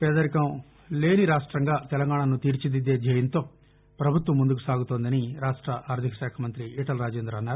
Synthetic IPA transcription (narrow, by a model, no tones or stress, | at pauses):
pɛːd̪ɐɾikɐm | le̞ːniɾaːʂʈɾɐŋɡaːt̪ɛlɐŋɡaːɳɐnut̪iːɾt͡ʃid̪id̪eːd͡ʒʱɐːjɐnt̪o̞ː | pɾɐbʱut̪ʋɐmːund̪ukusaːɡut̪oːnd̪ɐniɾaːʂʈɾɐʔaːɾd̪ʱikɐ̥ʃɛːkʰɐmɐnt̪ɾiiʈɐlɾaːd͡ʒeːnd̪ɾɐɐnːaːɾu